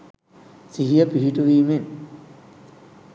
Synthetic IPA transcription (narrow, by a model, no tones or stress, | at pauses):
siɦijɐpiɦiʈuʋiːmen